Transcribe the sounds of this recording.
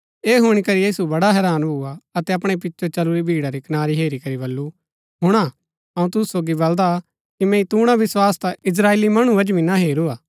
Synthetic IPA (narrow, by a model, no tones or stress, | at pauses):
eːɦʊɽ̃ikɐɾijiːsubɐɽaɦɛːɾaːnbʱʊaɐt̪ɛɐpɽ̃epɪtːʃot͡ʃɐluɾibʱiːɽaɾikɐnaːɾiɦeːɾikɐɾiβɐlːu | ɦʊɽ̃a | ɐ̃ũt̪ʊssoːɡibɐld̪a | kimɛ̃ĩt̪uːɽ̃aʋɪswaːst̪aɪs̬ɾaːeːlimɐɽ̃ubɐd͡ʒbinaɦeːɾuaː